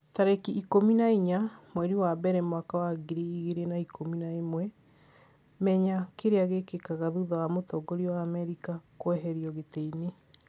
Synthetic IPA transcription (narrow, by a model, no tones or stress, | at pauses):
taɾekiʔikominaiɲamwɛɾiwabɛɾɛmwakawaɡiɾiiɣeɾenaikominaemwɛ | mɛɲakeɾeaɣekekaɣaðuðɔwamotɔɡoɾiɔwaːmɛɾikakwɛɦɛɾiɔɣeteine